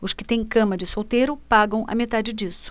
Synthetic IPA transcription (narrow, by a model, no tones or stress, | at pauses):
ʊskɪ̥t̪ẽj̃kɐ̃mɐd͡ʒɪsowt̪ejɾʊpaɡɐ̃w̃ʔɐ̰met̪ad͡ʒɪd͡ʒisʊ̥